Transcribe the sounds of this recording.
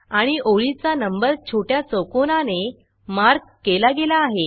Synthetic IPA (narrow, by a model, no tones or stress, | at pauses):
aɽ̃iʔoɭit͡sanəmbəɾt͡ɕʰoʈjat͡səwkonane | maɾɡkːelaɡelaːɦe